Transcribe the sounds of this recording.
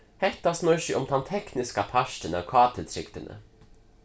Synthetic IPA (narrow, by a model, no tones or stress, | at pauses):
hɛt̪ɑsmœʏʃʏʔɔmt̪ʰɑnt̪ʰɛknɪskɑpʰæʃʈənəokʰɑːt̪ʰɪlt̪ʰɾɪ̰kt̪ənʔə̰